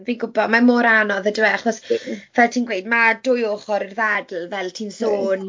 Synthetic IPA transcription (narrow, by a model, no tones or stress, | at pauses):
vinɡʊbɔdmamoːɾanɔðədwɛχɔsvɛltʰiːnɡwejdmadʊjoːχɔɾirðɛdl̩ˠvɛlˠtʰiːnsoːn